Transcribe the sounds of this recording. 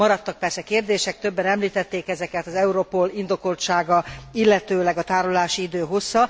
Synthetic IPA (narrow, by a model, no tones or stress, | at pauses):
mɒɾɒt̪ːɒk̚pɛrsɛkeːrd̪eːʃɛk̚t̪ø̞bːɛnɛmliːt̪ɛt̪ːeːkɛzɛkɛt̪ɒzɛuɾopolind̪o̞ko̞lt̪ʃaːɡɒilːɛt̪øːlɛɡɒt̪aːɾolaːʃiid̪øːɦo̞sːɒ